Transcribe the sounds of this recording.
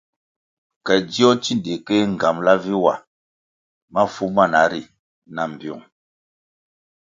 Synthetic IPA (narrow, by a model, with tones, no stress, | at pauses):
kɛ˨di˦ɔ˦t͡ʃi˦nde˨kɛ˦ŋ̩˨ɡa˨mla˦vi˦wa˨ | ma˦fu˦ma˦˨na˨˦ɾi˨ | na˨m˨bjɔ̰˨ŋ